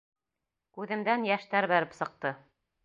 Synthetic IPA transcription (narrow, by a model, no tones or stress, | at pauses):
kʉðɘ̆md̪ænjæʃt̪æɾbæɾɘpsɤ̆q̚t̪ɤ